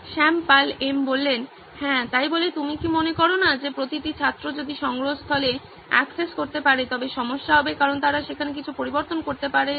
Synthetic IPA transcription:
ʃɛmpalembolːen | hɛ̃ːt̪ajbolet̪umikimonekɔɾonad͡ʑepɾot̪iʈit͡ɕʰat̪ːɾod͡ʑod̪iʃɔŋɡɾoɦost̪ʰɔle | ɛ̰kseskoɾt̪epaɾet̪ɔbeʃɔmoʃːaɦɔbekaɾont̪aɾaʃekʰanekit͡ɕʰupoɾiboɾt̪onkoɾt̪epaɾe

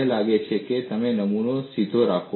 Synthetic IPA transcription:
elaɡet͡ʃʰeket̪əmenəmunosid̪ʱoɾakʰo

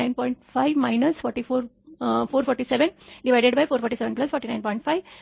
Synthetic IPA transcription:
ɪ̃npɔ̃ɪ̃ɳʈfaɪʋmaɪnəsfɔɾʈifoːɾ | foːɾfɔːɾʈiseʋẽnɖiʋaɪɖeɖbaɪfoːɾfɔɾʈiseʋẽnplɐsfɔːɾʈinãɪnpɔ̃ɪ̃ɳʈfaɪʋ

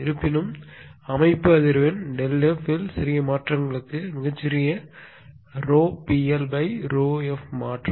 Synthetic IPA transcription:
ɪɾɯpːɪnɯmɐmɐɪpːɯɐðɪɾɯʋenɖɛlɛfɪlsɪɾɪjɐmaːʈrɐŋɡɐɭɯkːɯmɪɣɐt͡ʃːɪɾɪjɐ | ɾoːpiɛlbɐɪɾoːɛfmaːʈrɐ

